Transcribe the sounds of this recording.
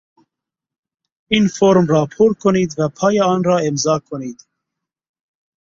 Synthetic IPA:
infoːɾmrɑːpʰoːɾkʰɔniːd̪vɛpʰɑːjɑɑːnrɑːemzɑːkʰɔniːd̪

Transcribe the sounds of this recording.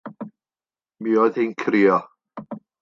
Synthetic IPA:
miːɔjðenkʰɾiːɔ

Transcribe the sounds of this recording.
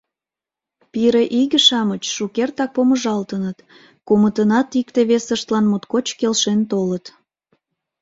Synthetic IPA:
piɾeʔiɣəʃɑmət͡ɕʃukert̪ɑk̚poməʒɑlt̪ənət̪ | kumət̪ənɑt̪ikt̪eβesəʃt̪lɑnmut̪kot͡ɕkelʃent̪olət̪

